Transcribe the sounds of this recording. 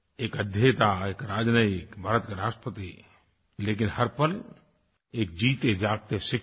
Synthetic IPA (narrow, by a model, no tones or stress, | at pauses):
eːkəd̪ʱjet̪aeːkɾaːd͡ʒnaikbʱaɾət̪keɾaːsʈəpət̪i | leːk̬ɪnhəɾpəl | eːk̚d͡ʒiːt̪ed͡ʒaːɡ̚t̪esɪk